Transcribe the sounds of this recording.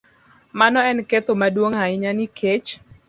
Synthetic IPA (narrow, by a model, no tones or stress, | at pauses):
manɔɛnket̪omadwoŋaɪɲanikʰet͡ʃ